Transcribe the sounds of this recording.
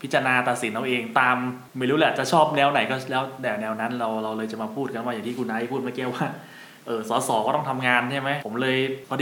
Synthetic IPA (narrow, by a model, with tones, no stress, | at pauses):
p̪ʰt͡ɕːa˧naː˧t̪a˨˩t̪̚si˩˦nːha˧˥˩ʔeː˧ŋt̪aː˧m | ma˥˩jɾuː˦˥lːaː˨˩t͡ɕa˨˩t͡ɕʰɔː˥˩p̚nɛː˦˥wna˨˩˦jkɔː˥˩lɛː˦˥wdɛː˨˩wnɛː˧wna˦˥nɾa˧wɾa˧wlɤː˧jt͡ɕa˨˩ʔmaː˧pʰuː˥˩t̪̚ka˧nwaː˥˩ja˨˩ŋt̪i˥˩ku˧nʔaː˧˥i˥˩pʰuː˥˩t̪̚ma˥˩ki˥˩əwaː˥˩ | ʔɤː˧˩sɔː˩˦sɔː˩˦kɔː˥˩t̪ɔ˥˩ŋt̪ʰa˧mŋaː˧nt͡ɕʰa˥˩jma˦˥jpʰo˩˦mlɤː˧jpʰɔ˧˥d